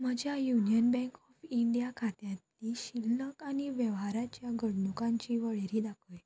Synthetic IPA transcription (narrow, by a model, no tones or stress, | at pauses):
m̤əd͡ʑjajunijənbɛ̃ŋkɔfiɳɖijakʰat̪jãt̪liɕilːəkañiʋjɛʋɦaɾat͡ɕjaɡʱəɽnukãɲt͡ɕiʋəɭeɾiːd̪akʰəj